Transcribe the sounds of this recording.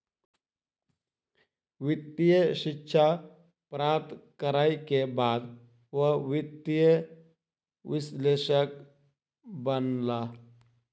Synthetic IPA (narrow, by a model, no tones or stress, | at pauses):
ʋɪt̪ːijəʃɪkːʃʰa | pɾaːɾt̪kəɾaːikebaːd̪ | ʋəʋɪt̪ːɪjə | ʋɪsleːʃək | bənla